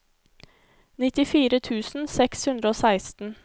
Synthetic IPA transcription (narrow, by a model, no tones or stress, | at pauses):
nɪt̪ɪfiːɾət̪ʰʉːsn̩sɛkshʉnd̪ɾəoːsæɪst̪n̩